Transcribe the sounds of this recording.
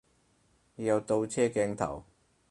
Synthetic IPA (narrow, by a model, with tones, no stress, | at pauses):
jɐ˨˧wt̪o˧wt͡sʰɛː˥kɛː˧ŋt̪ʰɐ̰˨˩w